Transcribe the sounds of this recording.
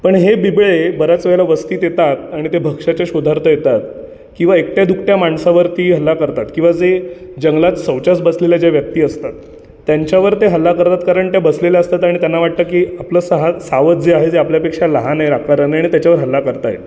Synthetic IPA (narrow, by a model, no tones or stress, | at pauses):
pəɳɦebibɭebəɾat͡sʋɛɭlaʋəst̪iːt̪jet̪at̪aɽ̃it̪ebʱəɡʂat͡ɕjaɕud̪ʱaɾt̪ʰəjet̪at̪ | kĩw̃ʋaek̚ʈ̪jad̪ukʈjamaɳsaʋəɾt̪iːɦəlːakəɾt̪at̪kĩw̃ʋad͡zed͡ʑəŋɡlat̪səwt͡ɕat͡sbəsleljad͡ʑjaʋjək̚t̪iːəst̪at̪ː | jaɲt͡ɕjaʋəɾt̪eɦəlːakəɾt̪at̪kaɾəɳʈ̪jabəslelaəst̪at̪aɽ̃it̪janːaʋaʈ̚t̪əːkiːapləːsəɦasaʋət̪̚d͡zeaɦed͡zeapljapekʂaləɦanajɾakʰaɾənəaɽit̪jat͡ɕjaʋəɾɦəlːakəɾt̪ajḛ